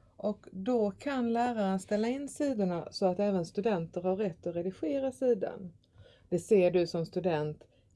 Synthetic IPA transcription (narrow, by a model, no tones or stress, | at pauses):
ʔɔkd̪ɔkʰanlæːɾaɾənst̪ɛlːaɪnːsiːd̪ʊɳasɔat̪ɛːvənst̪ɵd̪ɛnt̪əɾhaɾːɛt̪ːɔɾɛd̪ɪɧeːɾasiːd̪a̰n | d̪̥ɛseːɖɵsɔmst̪ɵd̪ɛnt̪